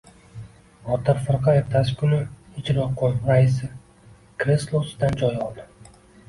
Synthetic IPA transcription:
ɒt̪ʰaɾfɨɾqɑeɾt̪ʰasɪ̥kʲʰʊnɪɪt͡ʃʰɾoqʰːonɾaɪs̬ɪ | kɾeslˠosd̪and͡ʒɒjɒlˠd̪ɪ

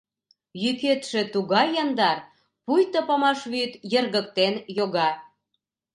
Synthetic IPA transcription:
jyket̪ʃĕt̪uɣɑjːɑnd̪ɑr | pujt̪əpɑmɑʃβyt̪jərɣək̚t̪enjoɣɑ

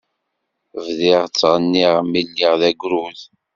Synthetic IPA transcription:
vðiʁt͡sːʁənːiʁmːilːiʁðæɡʷɾuð

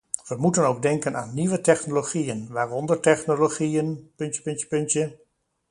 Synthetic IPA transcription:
ʋəmutənowɡ̚dɛŋkəna̰ːnːiʋətɛxnoloχiənʋaːrɔndərtɛχnoloχiənpɵntjə̥pɵntjə̥pʏntjə

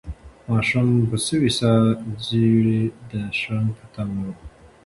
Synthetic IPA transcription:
mɑʃumpəsəwisaziɽed̪əʃɾanpət̪am

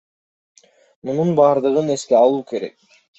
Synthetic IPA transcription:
mununbɑːɾd̪ɯʁɯne̞skeɑlˠuːke̞ɾe̞k̚

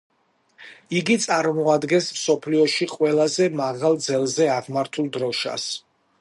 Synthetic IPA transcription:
iɡit̪sʼaɾmɔad̪ɡɛnsmsɔpʰliɔʃiqʼwɛlˠazɛmaʁalˠd̪zɛlˠzɛaʁmaɾt̪ʰulˠd̪ɾɔʃa̰s

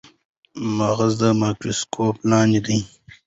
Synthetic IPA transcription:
maɣɐzd̪əmaːkɾoskʰoːplaːnid̪iː

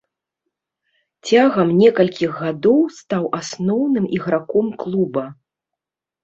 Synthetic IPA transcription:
t͡sʲaɣɐmnʲɛkɐlʲkʲiɣːad̪ɔwst̪awʔasnɔwnɨmʔiɣɾakɔmklˠubɐ

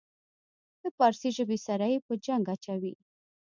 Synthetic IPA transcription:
d̪̥əpɑɾsiʒəbesaɾajepəd͡ʒaŋɡat͡ʃawi

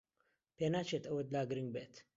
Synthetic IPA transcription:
peːnaːt͡ʃʰet̪ɐwɐd̪laːɡɾɨŋɡbeːt̪

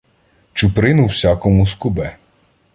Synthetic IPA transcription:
t͡ʃʊpɾɪnʊwsʲakɔmʊskʊbɛ

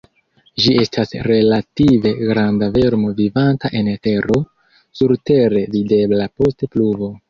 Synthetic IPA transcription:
ʒie̞stasɾe̞lative̞ɡɾandave̞ɾmo̞vivantaʔe̞nte̞ɾo̞ | suɾte̞ɾe̞vide̞blapo̞stepluvo̞

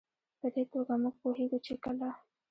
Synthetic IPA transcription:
pəd̪epoɡamuɡ̚poheɡut͡ʃekəla

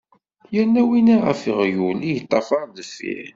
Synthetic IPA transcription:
jænːæwinaʁə̰fəʁjulijət̪ˤːɑfɑɾˤðəfḭ

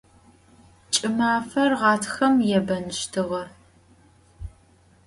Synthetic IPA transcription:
t͡ʃʼɪmaːfɐrʁɑːtʰxɐmjɛbɐnɨʃtʰɨʁɐ

